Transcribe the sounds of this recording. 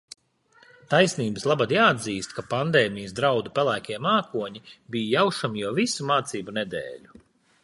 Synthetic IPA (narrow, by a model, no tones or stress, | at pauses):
t̪ajsniːbɨslˠabad̪jaːad̪ziːst̪kapand̪eːmʲijəsd̪ɾawd̪upɛlˠæːkʲiɛmaːkuɔɲibijjawʃamjawvisumaːt̪siːbunɛd̪ḛːlʲu